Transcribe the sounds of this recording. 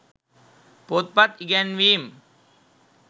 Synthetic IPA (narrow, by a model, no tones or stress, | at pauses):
pot̪̚pat̪iɡɛnʋim